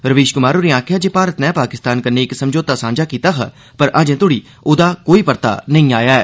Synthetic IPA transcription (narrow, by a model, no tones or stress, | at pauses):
ɾəʋiːʃkʊmaːɾoːɾiːãːkʰjaːd͡ʒeːpaːɾət̪nɛ̃ːpaːkɪst̪aːnkənẽːɪksəmd͡ʒoːt̪aːsãːnd͡ʒaːkiːt̪aːka | pəɾʔaːd͡ʒẽːt̪ʊɽiː | oːd̪aːkoːiːpəɾt̪a̰ːnəĩːaːjaːɛː